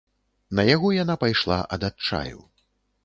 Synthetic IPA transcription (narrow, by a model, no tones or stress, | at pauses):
nɐjaɣɔjanapajʂlˠa̰ʔɐd̪att͡ʂa̰jṵ